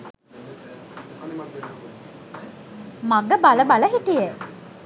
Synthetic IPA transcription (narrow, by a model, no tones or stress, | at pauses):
maɡəbaləbaləɦiʈijə